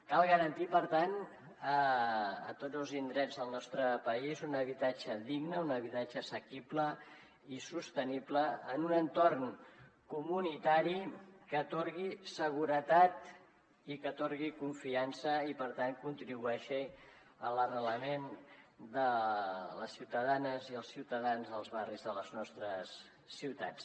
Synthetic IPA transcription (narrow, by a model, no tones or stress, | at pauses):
kalˠɣəɾənt̪ipəɾt̪an | əə̰t̪od͡zəlˠzind̪ɾɛd͡zðəlˠnɔst̪ɾəpəizunəβ̞it̪ad͡ʒəðiɡnəunəβit̪ad͡ʒəsəkiplə | isust̪ənipləːnunənt̪orŋkumunit̪aɾikət̪oɾɣisəɣ̞uɾət̪at̪ | ikət̪oɾɣikuɱfiansəipəɾt̪aŋkunt̪ɾiβuɛʃi | ələrələmend̪ələsːiwt̪əðanəziəlˠsiwt̪əðanzðəlˠzβarizðələznɔst̪ɾəsː | iwt̪a̰t͡s